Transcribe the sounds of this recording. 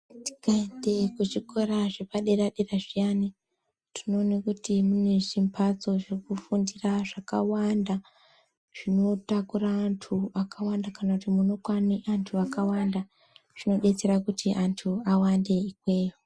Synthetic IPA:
ti̥kaide̞kut͡ʃiko̞ɾaʐepaɗeraɗeraʐijani | ti̥no̞ːnekutimune̞ʐimpʰat͡so̞ʐek̚ufundiraʐakawanda | ʐ̥ino̞takuraːntʰuakawandakanakutimuno̞kwaniʔantʰuakawanda | ʐ̥ino̞ɗe̞t͡se̞ɾakutiʔantʰuawande̞ikweːji

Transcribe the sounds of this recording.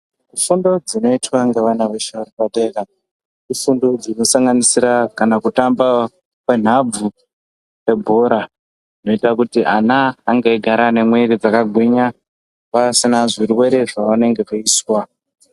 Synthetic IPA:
kufundo̞d͡zino̞itwaŋɡeʋanaʋeʃauripateka | kufundo̞d͡zino̞saŋɡanisiɾakanakutamba | kwen̤ab͡vu | e̞bʱo̞ɾa | ino̞itakutiʔanaːŋɡeiɡʱaɾane̞mwe̞ɾid͡zakaɡʱwiɲa | pasinaʐiɾiwe̞ɾe̞ʐaʋane̞ŋɡe̞koiːswa

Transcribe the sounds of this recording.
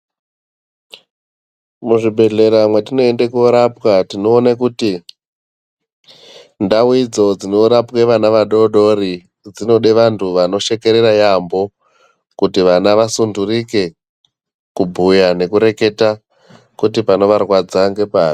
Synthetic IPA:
muʐibʱe̞ɮe̞ɾamwe̞tino̞endekuɾapwatino̞ːnekuti | ndawid͡zo̞d͡zinoɾapweʋanaʋaɗo̞ɗo̞ri | d͡zino̞ɗeʋantʰuʋano̞ʃe̞ke̞ɾeɾajambo̞ | kutiʋanaʋasundurike̞ | kubʱujane̞kuɾe̞ke̞ta | kutipano̞ʋarwad͡zaŋɡe̞paːri

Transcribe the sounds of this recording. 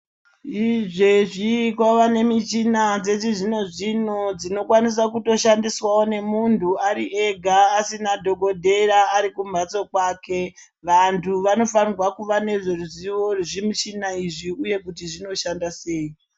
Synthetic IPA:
iʐeʐikwaʋane̞mit͡ʃinad͡ze̞t͡siʐino̞ʐinod͡zino̞kwanis̬akuto̞ʃandiswawone̞muntʰuaɾiʔe̞ɡʱaːsinadʱo̞ɡo̞dʱe̞ɾaːɾikumbʱat͡so̞kwaːke̞ | ʋantʰuʋano̞fanirwakuʋane̞ʐeruziʋo̞ʐimit͡ʃinaiʐiuje̞kutiʐino̞ʃandase̞ːi

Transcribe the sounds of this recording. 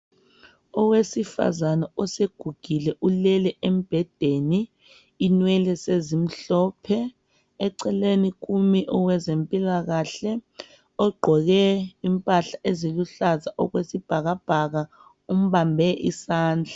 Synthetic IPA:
ɔwesifa̰zanaɔseɡ̥ʱuɡ̥ʱilɛʔulɛlɛʔem̩b̥ʱɛd̥ʱeniː | nwɛlɛsezim̩ɬɔːpʰɛ | ɛǀɛleniɣumiʔɔwɛzempʼilaɣaɬɛ | ɔɡ͡ǃʱɔɣɛimpʼaɬaʔeziluɬazaʔɔɣwesib̥ʱaɣab̥ʱaɣa | um̩βambʱɛʔḭsaːnd͡ɮʱa

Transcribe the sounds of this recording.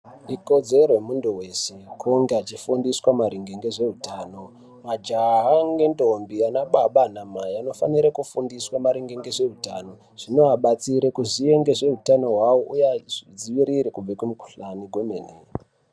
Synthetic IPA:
ikod͡ze̞ɾoemundowesekʰoŋɡeat͡ʃifundiswamaɾiŋɡeŋɡe̞ʐe̞ɦutaːno̞ | mad͡ʒaɦaŋɡe̞ndo̞mbianaɓaɓanamajano̞fa̰niɾakufundiswamaɾiŋɡeŋɡeʐe̞ɦuta̰no̞ | ʐ̥ino̞ɦaɓat͡siɾekuʐie̞ŋɡe̞ʐe̞ɦutano̞ɦwawoʔujad͡ziʋiɾiɾekub͡vekumiku̥ɬaniɡʱwo̞mene

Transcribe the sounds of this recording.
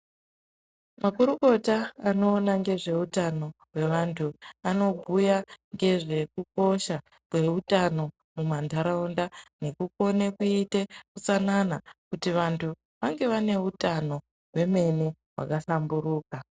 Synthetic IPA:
makuɾuko̞taːno̞ːnaŋɡe̞ʐe̞utano̞ɦwe̞ʋantʰuano̞bʱujaŋɡe̞ʐe̞kuko̞ʃa | kwe̞utano̞ | mumandʱaɾaundane̞kuko̞nekuite̞kut͡sananakutiʋantʰu | ʋaŋɡe̞ʋane̞utano̞ | ɦwe̞me̞ne | wa̰kasambuɾuːka

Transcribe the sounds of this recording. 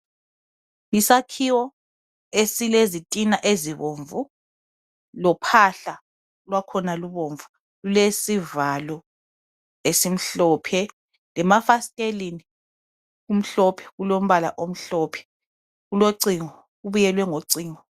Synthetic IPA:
isakʰiwɔ | esilezitʼinaʔeziβoɱvu | lɔpʰaɬa | lwakʰɔnaluβoɱvu | ɣulesivalɔ | esim̩ɬɔːpʰɛ | lɛmafastʼelini | ɣum̩ɬɔpʰɛ̥ɣulom̩βala̰ʔom̩ɬɔːpʰɛ̥ | ɣuloǀiŋɔ | ɣuβujɛlwɛŋoǀiːŋɔ

